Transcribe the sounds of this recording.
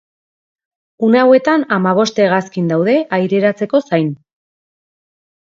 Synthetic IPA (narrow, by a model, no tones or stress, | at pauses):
uneawe̞t̪anamaβ̞o̞st̪eɣaskind̪awðe̞ʔajɾe̞ɾat͡se̞ko̞sajn